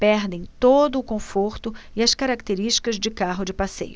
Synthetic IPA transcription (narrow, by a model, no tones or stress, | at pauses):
pɛɾd̪ẽj̃t̪od̪ʊːkõfoɾt̪ʊɪɐskaɾak̚t̪eɾiʃt͡ʃi̥kɐzd͡ʒɪkaɦʊd͡ʒɪpasḛjʊ